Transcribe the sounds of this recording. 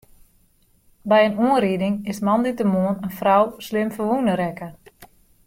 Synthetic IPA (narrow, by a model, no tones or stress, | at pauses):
bɛjənuənɾiədɪŋɪsmanditəmoənənfrawslɪmfəʋunəɾɛkə